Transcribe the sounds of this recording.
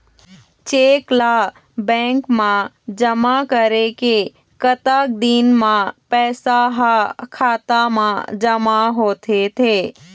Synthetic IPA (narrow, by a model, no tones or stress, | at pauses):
t͡ʃeːkla | bɛ̃ːŋkmã | d͡ʒəmakəɾeke | kət̪ak̚d̪iːnmãpɛːsaɦakʰaːt̪amã̰d͡ʒəmaɦoːt̪ʰet̪ʰeː